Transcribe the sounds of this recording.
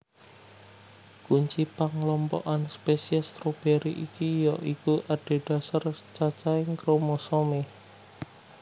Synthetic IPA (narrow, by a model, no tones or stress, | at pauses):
kuɲt͡ʃipaŋlɔmpɔ̰ʔanspesiɛst̪ɾob̥eɾiʔikijɔʔikuʔaɖ̥e̤ɖ̥a̤sart͡ʃat͡ʃaɪŋkɾomɔsɔme